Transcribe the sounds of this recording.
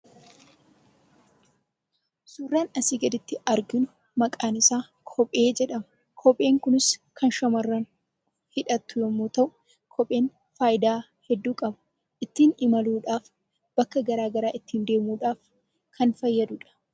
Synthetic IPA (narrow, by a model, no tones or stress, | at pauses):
sʊrːaːnɐsiːɡɐd̪ɪt̪ːɪʔɐɾɡɪnʊ | mɐkʼaːnɪsaː | kʰɔpʼe̞ːd͡ʒɛᶑɐmɐ | kʰɔpʼe̞ːŋkʊnɪskʰɐnʃɐmɐrːɐn | hɪᶑɐt̪ːʊjɔmːuːt̪ɐʔʊ | kʰɔpʼːe̞ːn | faːjɪd̪aː | hɛd̪ːuːkʼɐbʊ | ʔɪt̪ːiːnɪmɐluːᶑaːf | b̥ɐkːɐɡɐɾaːɡɐɾaːʔɪt̪ːiːnd̪e̞ːmuːᶑaːf | kʰɐnfɐjːɐd̪ʊᶑɐ̥